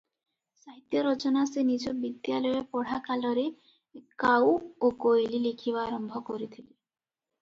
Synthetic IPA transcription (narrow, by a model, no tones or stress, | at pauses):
saɦit̪jɔɾɔt͡ʃɔnasenid͡ʒɔbid̪jalɔjɔpɔɽ̤akalɔɾe | kawokojlilikʰiβaːɾɔmbʱɔkɔɾit̪ʰili